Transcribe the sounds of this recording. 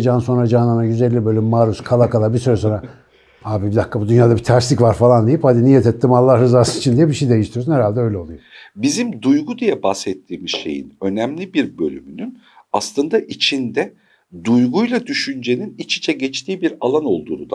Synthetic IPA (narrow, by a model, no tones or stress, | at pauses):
d͡ʒaːnso̞nɾad͡ʒaːnanaɟyzælʲːibø̞lʲymːaːɾuskʰalˠakalˠabiɾsyɾɛso̞nɾa | aːbibid̪akːabud̪ynjaːd̪abit̪ʰæɾsicvaɾfalˠand̪ejiphad̪inijɛt̪ʰɛt̪ːimalˠːahɾɯzaːsɯnit͡ʃʰind̪ijɛbiʃejid̪e̞jiʃt̪ijosunhɛɾalʲd̪ɛø̞jlʲɛo̞lˠujobizimd̪ujɡud̪ijɛbahsɛt̪ʰːiːmiz̥ʃe̞̰jḭnø̞næmlʲibiɾbølʲy̰mynyn | aslˠɯnd̪aʔit͡ʃʰind̪ɛ | d̪ujɡujlˠad̪yʃynd͡ʒe̞ninit͡ʃi̥t͡ʃʰɛɟɛt͡ʃt̪ʰiːbiɾalˠano̞lˠd̪uːnud̪